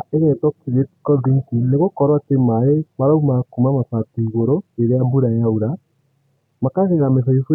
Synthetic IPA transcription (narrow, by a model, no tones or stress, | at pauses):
aenɛtɔkiɾetkɔdiŋkineɣokɔɾwatemaɾemaɾaumakumamasatiɣoɾoeɾeabuɾajauɾa | makaseɾamesɔifu